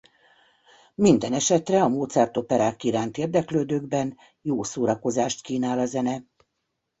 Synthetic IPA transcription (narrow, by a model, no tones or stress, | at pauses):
mind̪ɛnɛʃɛt̪rɛɒmoːt̪sɛrt̪o̞pɛɾaːkːiɾaːnt̪eːrd̪ɛkløːd̪øːɡbɛn | joːsoːɾɒko̞zaːʃt̪kiːnaːlɒzɛnɛ